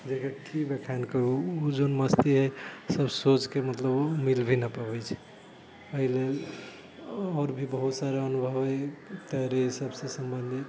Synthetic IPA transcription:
d͡ʒekəkʰibekʰankəɾuud͡ʒonməst̪iɦəsəbsot͡ʃkemət̪ləbmilbʱinəpəbɛt͡ʃʰɛ̥ | əɦilel | ɔːɾbʱibəɦut̪saɾeənubʱəbet̪əɦɾesəbsesəmbənd̪ʱi

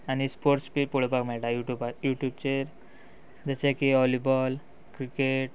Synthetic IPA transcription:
añispoɾʈspiɾpoɭbakmeɭʈajuʈjubajuʈjub̚t͡ɕeɾ | d͡ʑat͡ɕekiɔlibɔl | kɾikeʈ̚

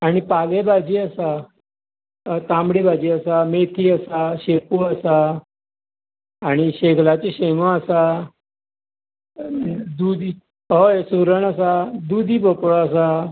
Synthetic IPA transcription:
aɽ̃ipalebad͡ʑiːəsa | t̪ãmbɽibad͡ʑiːəsamet̪ʰiːəsaɕekuəsa | ɽ̃iɕeɡlat͡ɕeɕemə̃əsa | d̪ud̪i | ɦojsuɾəɳəsad̪ud̪ʱiːbəpɭɔəsa

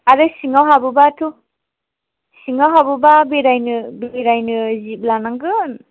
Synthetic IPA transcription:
aɾɯsiŋawɦabubatʰu | siŋawɦabubabeɾajnɯbɾajnɯzip̚lanaŋɡɯn

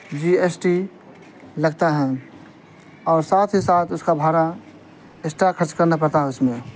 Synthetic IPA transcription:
d͡ʒiesʈi | ləɡt̪aɦɛ̃ | ɔːɾsaːt̪ʰɦisaːt̪ʰʊskabʱaːɾa | esʈaɾkʰəɾt͡ʃkəɾnapəɾt̪aɦɛʊsmẽ

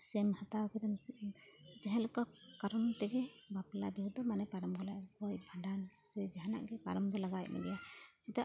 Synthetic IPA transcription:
sɛmhat̪awkɛd̪ɔm | d͡ʒɛɦɛ̃lɔka | kaɾɔnt̪ɛɡɛbaplabiɾud̪ɔmanɛpaɾɔmɡɔlajɡɔjbʱaɖansɛd͡ʒaɦana̰ʔɡɛpaɾɔmɡɔlaɡaj̚mɛ̰dɛjat͡ʃit̪aʔ

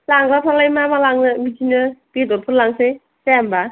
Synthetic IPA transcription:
laŋbapʰalajmamalaŋnɯbitinɯbidɔɾpʰɯlaŋse | saamba

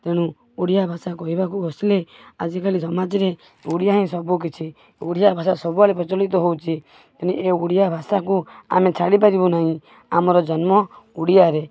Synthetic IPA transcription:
t̪eɽ̃ũ | uɽijabʱasakɔɦibakuɔsilead͡ʒikalisɔmad͡ʒɔɾe | uɽijaɦĩsɔbuk̬it͡ʃʰi | uɽijabʱas̬asɔbualipɾɔt͡ʃɔlit̪ɔɦowt͡ʃʰi | t̪iñieuɽijabʱasakua̰met͡ʃʰaɽip̬aɾibɔnaɦĩ | amɔɾɔd͡ʒɔnmɔuɽijaɾe

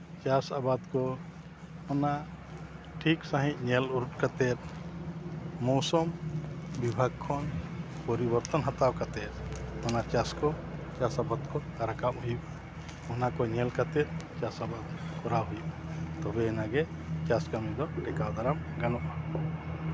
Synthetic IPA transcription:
t͡ʃasabad̪kɔ | ɔna | ʈʰiksaɦĩc̚ˀɲɛluɾʈkat̪ɛt̪̚ | mɔsɔmbibʱaɡ̚kʰɔnpɔɾibɔɾt̪ɔnɦat̪awkat̪ɛt̪̚ɔnat͡ʃaskɔ | t͡ʃasabad̪̚kɔd̪aɾakamɦujuk | ɔnakɔɲɛlkat̪ɛt̪̚t͡ʃasabad̪̚kʰɔɾaɦujut̪ɔbɛːnaɡɛt͡ʃaskamid̪ɔʈɛkawd̪ʱaɾamɡanɔʔa

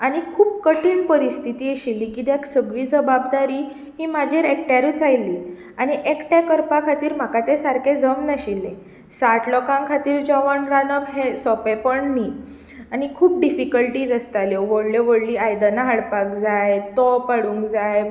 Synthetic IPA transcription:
aɽ̃ikʰuːp̚kəʈiːnpəɾist̪ʰit̪iːeɕilːiːkid̪aksəɡɭiːd͡zəbabd̪aɾiː | ɦiːm̤ad͡ʑʱeɾek̚ʈjaɾut͡sajlːiː | aɽ̃iʔekʈjakəɾpakʰat̪iːɾm̤akat̪esaɾkʰed͡zəmnəɕilːe | saʈʰlɔkãŋkʰat̪iːɾd͡ʑɔʋənɾanəbɦesɔpepəɳniː | aɽ̃ikʰuːp̚ɖifikəlʈiːd͡zəst̪aljɔʋoɽleʋəɽliːajd̪anaɦaɽpakd͡zajt̪ɔpaɽũŋkd͡zaj

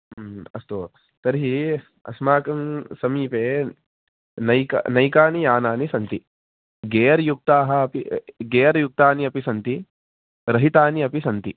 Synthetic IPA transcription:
ɐ̰st̪oː | t̪ɐɾɦi | ɐ̰smaːkɐmsɐmiːpeː | nɐjkɐ̰nɐjkaːnijaːnaːnisɐnt̪i | ɡeːɐɾɐjuk̚t̪aːɦɐɐpiɡeːɐɾɐjuk̚t̪aːniɐpisɐnt̪i | ɾɐɦit̪aːniɐpisɐnt̪i

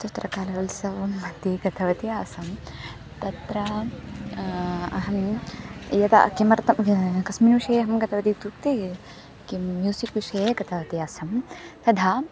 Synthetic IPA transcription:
t̪ɐt̪ɾɐkaːlɐʋɐlsɐʋɐmːɐt̪iɡɐt̪ʰɐʋɐt̪ijaːsɐm | t̪ɐt̪ɾɐ | ɐɦɐm | jɐt̪ɐ̰kimɐɾt̪ɐmkɐsminuːʃɐjɐɦɐmɡɐt̪ʰɐʋɐd̪it̪ukt̪i | kimjuːsikʋiʃɐjeɡɐt̪ʰɐʋɐt̪ijaːsɐmt̪ɐd̪ʱaː

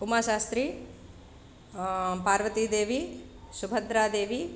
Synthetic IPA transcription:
umaʃaːst̪ɾi | paːɾʋɐt̪id̪eːʋisubʱɐd̪ɾaːd̪eːʋi

